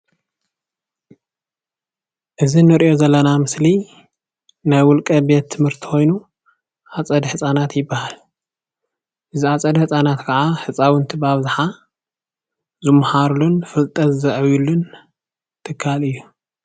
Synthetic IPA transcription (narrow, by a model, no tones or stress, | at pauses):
ʔɨzinɨɾʔjo̞zɐlːɐnamɨsli | najwʊlkʼɐbe̞t̪ʰːɨmhɨɾt̪ʰi̥xo̞jnu | ʔat͡sʼɐd̪ħɨsʼanat̪jɪbːahal | ʔɨziat͡sʼɐd̪ħɨsʼanat̪kʰɐʕaħɨt͡sʼawɨnt̪ʰibaβzaħa | zɨmːħaɾulunfɨlt̪ʼɐt̪zɨʔɨβulːun | t̪ʰɨkʰːalɨjːu